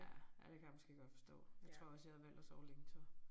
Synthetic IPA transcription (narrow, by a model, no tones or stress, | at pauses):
æjæd̥ekʰæjamɔ̽sɡ̥e̝̰ːɡ̥ɒ̽d̥fɒ̽sd̥ɔ̰̽ːjaɪt͡sʰʁo̝ɐ̰ɒ̽sjɑ̈hæʋæl̰d̥ɒsɒʊleɡ̥sʰɒ